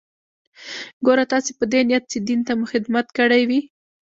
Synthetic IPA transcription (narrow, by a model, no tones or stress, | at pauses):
ɡoɾat̪ɑsepəd̪enijat̪̚t͡ʃed̪int̪amuxɪd̪mat̪kəɽajwi